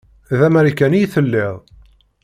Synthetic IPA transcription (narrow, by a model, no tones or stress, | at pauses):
ðæmæɾikænijθəlːɪʁˤ